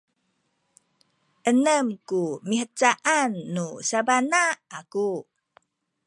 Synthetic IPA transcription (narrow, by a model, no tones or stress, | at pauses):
ʔənəmkumiɦət͡saʔanːusabanaaku